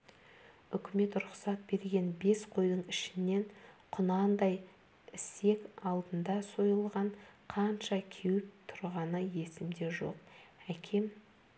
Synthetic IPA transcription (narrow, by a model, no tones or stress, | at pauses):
ʏkʲɪme̞t̪ɾʊχsɑt̪̚be̞ɾɡʲe̞nbe̞sqʰo̞jd̪əɴɪʃɪnːe̞ɴqʰʊnɑnd̪ɑj | ɪse̞kɑlˠd̪ənd̪ɑso̞jəlˠʁɑɴqʰɑnʃɑkʲʰewɪp̚t̪ʰʊɾʁɑnəje̞sɪmd̪e̞ʒo̞̰qækʲʰe̞m